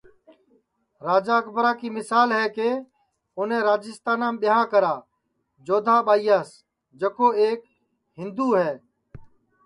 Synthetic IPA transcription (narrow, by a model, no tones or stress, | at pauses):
ɾaːd͡ʒaːkʰbəɾaːkiːmɪsaːlɦɛːkeː | ʊnẽːɾaːd͡ʒɪst̪aːnãːmɓɪɦãːkəɾaː | d͡ʒoːd̪ʱaːɓaːijaːs | d͡ʒəkoːeːk | ɦɪ̃nd̪uːɦɛː